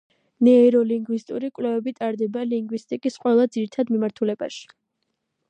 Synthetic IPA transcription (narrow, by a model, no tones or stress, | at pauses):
nɛɾɔliŋɡwist̪ʼuɾikʼwlɛvɛbit̪ʼaɾd̪ɛbaliŋɡwist̪ʼikʼisqʼwɛlˠad̪ziɾit̪ʰad̪mimaɾt̪ʰulɛba̰ʃi̥